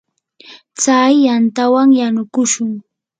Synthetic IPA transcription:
t͡sajːant̪awaŋjanʊkʊʃʊŋ

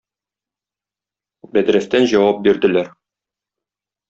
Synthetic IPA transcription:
bæd̪ɾæst̪ænʑɒwɑp̚biɾd̪ɘ̆læɾ

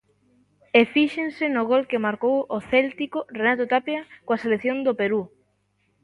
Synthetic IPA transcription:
efiʃensɪnʊɣolkɪmaɾkowoθɛlt̪ikorenat̪ot̪apjakoaselekθjond̪opeɾu

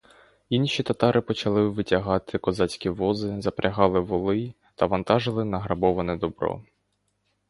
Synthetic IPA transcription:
inʃʲit̪ɐt̪ɑɾʔɪpɔt͡ʃɐlˠɪʋɪtʲɐɦɑt̪ʰɪkɔzɑt͡sʲkʲiʋɔzɪzɐpɾʲʔɐɦɑlˠɪʋɔlˠɪ | t̪ɐʋɐnt̪ɑʒɪlˠɪnɐɦɾɐbɔʋɐnɛd̪ɔbɾɔ̰

